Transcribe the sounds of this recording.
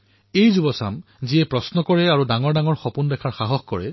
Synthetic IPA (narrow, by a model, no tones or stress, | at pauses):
ejzubɔsa̰m | ziɛpɹɔsnɔkɔɹɛaɹudaŋɔɹdaŋɔɹxɔpundɛkʰaɹxaɦɔxkɔɹɛ̰